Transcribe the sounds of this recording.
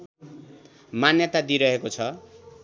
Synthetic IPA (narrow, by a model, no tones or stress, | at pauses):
manjʌt̪ad̪iɾʌɦekot͡sʰʌ